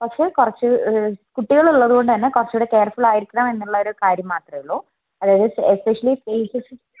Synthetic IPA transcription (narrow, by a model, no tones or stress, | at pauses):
pɐkʂe̞ːkurɐt͡ɕːɨkuʈːiɣɐɭuɭːɐðuɣo̞ɳɖɨt̪ɐnːe̞kurɐt͡ɕːujɽekeːrfuɭaːjiɾikʲːuɳaːme̞nːuɭːɐo̞ɾukaːɾjɐmːaːt̪rɐjɐɭoː | ɐðaːjɐðɨespeʂɐliseːsis